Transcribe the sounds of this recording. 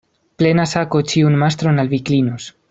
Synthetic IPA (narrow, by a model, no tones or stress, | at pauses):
ple̞nasakot͡ʃiunmast̪ɾonalviklinos